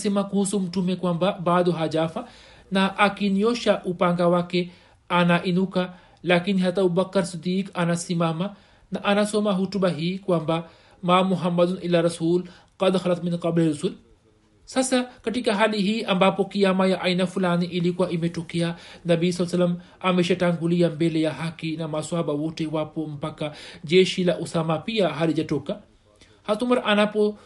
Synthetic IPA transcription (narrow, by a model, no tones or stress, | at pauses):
simakuːsumʈumekwambabaːd̪uɦad͡ʒaːfa | naʔakinjoːʃaʔupaŋɡawake | ʔanaʔinuka | laːkinɦat̪ɐbubɐkːɐɾsid̪iːkɐnasimama | naʔɐnasomaɦuʈubaɦikwamba | maːmuɦɐmːɐd̪unʔilːaɾɐsuːl | qɐd̪xɐlɐt̪minqɐbliɾusul | sasakatikaɦaliɦiːʔambapɔkiamajaʔainafulaniʔilikuwaʔimɛtɔkɛanabijs̬alasalːam | amɛʃataŋɡuliambɛlɛjaɦakinamaswaɓawɔtɛwapɔm̩pakad͡ʒɛʃilaʔusamapiaɦalid͡ʒatɔka | haθumaɾaʔanapɔ